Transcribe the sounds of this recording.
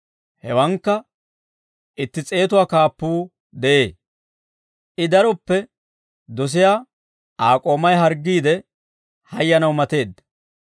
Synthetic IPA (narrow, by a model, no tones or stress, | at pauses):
hɛwɐŋkːɐ | ʔɪt̪ːɪt͡sʼe̞ːt̪ʊwaːkaːpːuː | d̪ɛʔe̞ː | ʔɪd̪ɐɾɔpːɛ | d̪ɔs̬ɪjaː | aːkʼo̞ːmɐjɦɐɾɡːiːd̪ɛ | hɐjːɐnɐwmɐt̪e̞ːd̪ɐ